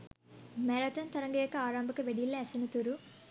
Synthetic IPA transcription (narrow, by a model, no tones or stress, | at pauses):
mɛɾɐt̪ɐnt̪ɐɾɐŋɡɐjɐkːɐaːɾaːmbɐkːɐʋeɽijilːɐɐsinɐt̪uɾu